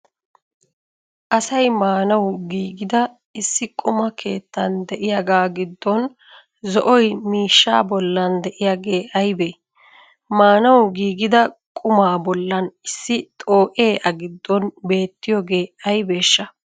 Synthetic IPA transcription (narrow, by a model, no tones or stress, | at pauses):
ʔɐsɐjmaːnɐwɡiːɡɪd̪ɐ | ɪsːɪkʼʊmɐkʰe̞ːt̪ːɐnd̪ɛʔɪjaɡaːɡɪd̪ːɔn | zɔʔɔjmiːʃːa̰ːbɔlːɐnd̪ɛʔɪjaɡe̞ːʔɐjbe | maːnɐwɡiːɡɪd̪ɐkʼʊmaːbɔlːɐnɪsːɪt̪ʼo̞ːʔeːʔɐɡɪd̪ːɔnbe̞ːt̪ːɪjoːɡeːɐjbe̞ːʃːɐ